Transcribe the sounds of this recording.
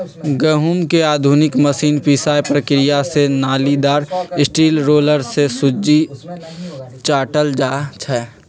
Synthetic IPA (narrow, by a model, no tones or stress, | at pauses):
ɡəɦumkeaːd̪ʱunɪkməsiːnpisaːjpɾəkɾɪjasenaːlid̪aːɾɪsʈiːlɾoːləɾsesʊd͡ʒi | t͡ʃaːʈəld͡ʒaːt͡ʃʰɛː